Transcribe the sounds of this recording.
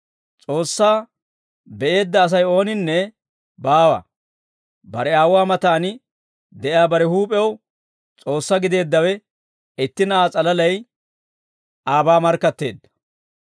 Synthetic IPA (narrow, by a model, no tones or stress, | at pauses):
t͡sʼo̞ːsːaː | bɛʔe̞ːd̪ːɐːs̬ɐjo̞ːnɪnːɛ | baːwɐ̰ | bɐɾɛaːwʊaːmɐt̪aːnɪ | d̪ɛʔɪaːbɐɾɛhuːpʼɛw | t͡sʼo̞ːsːɐɡɪd̪e̞ːd̪ːɐwɛ | ɪt̪ːɪnɐaːt͡sʼɐlɐlɐj | ʔaːbaːmɐɾkːɐt̪ːe̞̰ːd̪ːɐ̥